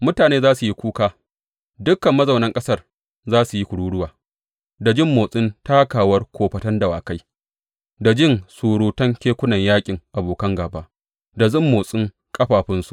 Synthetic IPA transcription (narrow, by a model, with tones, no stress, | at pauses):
mʊ˦taː˨neː˦zaː˦su˨ji˦kʷuː˦kaː˦ | dʊ˦kːɐ˨mːɐ˦zɐ˨wnɐ˦ŋkʼɐ˦sɐ˦r | zaː˦su˨ji˦kʷʊ˨ɽuː˦ɽʊ˦waː˨ | da˨d͡ʒɪ˦˨mːoː˨sʼɪ˦ntaː˦kaː˨wɐ˦rkʷoː˨ɸɐ˨tɐ˦nda˨waː˨ka˦j | da˨d͡ʒɪ˦nsuː˨ɽuː˨tɐ˦ŋkʲeː˦kʷʊ˦nɐ˨ɲjaː˦kʲʼɪ˨ŋʔa˨boː˨kɐ˦ŋɡaː˨baː˦ | da˨zɪ˦˨mːoː˨sʼɪ˦ŋ | kʼɐ˦ɸaː˨ɸɪ˦nsu˨ʔ